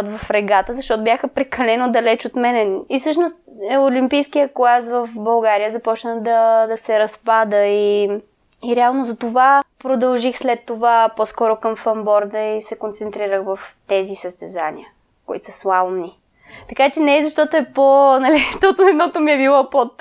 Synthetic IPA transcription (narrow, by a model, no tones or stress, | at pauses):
t̪vɐfɾɛɡat̪əzɐʃt̪ɔt̪objaxəpɾɛkɐlɛnod̪ɐlɛt͡ʃot̪mɛnɛifsɤʃnost̪olimpijskijəklˠasvəfbɐlˠɡaɾijəzɐpɔt͡ʃnəd̪ɐd̪ɐsɛɾɐspad̪əi | iɾɛalˠnozɐt̪ovapɾod̪ɐlˠʒixslɛt̪ːovapɔskɔɾokɐmfɐmbɔɾd̪əisɛkont̪sɛnt̪ɾiɾəxvɐft̪ɛzisəst̪ɛza̰nḭə | koḭt̪o̥səslˠamni | t̪ɐkat͡ʃɛnɛɛzɐʃt̪ɔt̪oɛponɐlizʃt̪ɔt̪oɛd̪nɔt̪omiɛbilˠɔpot̪